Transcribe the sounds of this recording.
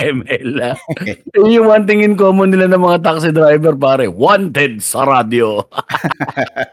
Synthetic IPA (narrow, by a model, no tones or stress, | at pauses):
ʔɛmɛlaɪjʊwant̪̬ɪŋɪnkoːmonɪlanɐŋmɐŋat̪̬ak̚sɪd̪ɾajbɛɾpaːɾɛwant̪ɛd̪̚sɐ̰ɾad̪jo